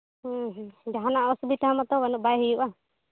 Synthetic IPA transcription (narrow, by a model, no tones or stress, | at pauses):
ɦd͡ʒaɦanaʔɔsubit̪amat̪ɔbanɔʔ̚bajɦijuʔa